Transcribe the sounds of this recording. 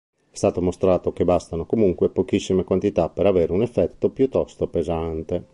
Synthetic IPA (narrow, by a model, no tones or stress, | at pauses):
ɛst̪aːt̪omost̪ɾaːt̪ok̟ebast̪anokomuŋkwepok̟isːimekwant̪it̪apːeɾaveːɾeunɛfːɛt̪ːopjut̪ːɔst̪opezant̪e